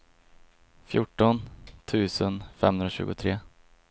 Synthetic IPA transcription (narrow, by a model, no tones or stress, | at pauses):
fjʊʈːɔnt̪ʰʉ̟ːsənfɛ̰mːhɵnaɕʉ̟ːɡʊt̪ʰɾeː